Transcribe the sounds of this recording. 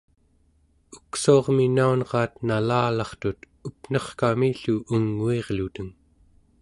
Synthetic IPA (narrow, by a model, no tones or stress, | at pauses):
uksuɑʁminaunʁɑːt̪nalaːlɑχt̪ut̪ | upn̥ʌχkamiɬuʔuŋːueʁlut̪əŋ